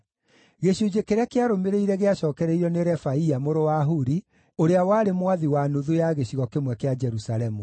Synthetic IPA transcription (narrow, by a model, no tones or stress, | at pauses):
ɣeɕud͡ʑekeɾeakeaɾomeɾeiɾɛɣeaɕɔːkɛɾeiɾɔneɾɛfaiamoɾowaɦuɾi | oɾeawaːɾemwaðiwanoðujaɣeɕiɣɔkemwɛkead͡ʒɛɾusalɛmu